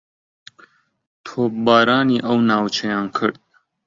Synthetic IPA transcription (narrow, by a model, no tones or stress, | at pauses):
t̪ʰoːp̚bɑːɾɑːniːʔɐwnɑːwt͡ʃʰɐjɑːnkʰɨɾd̪̚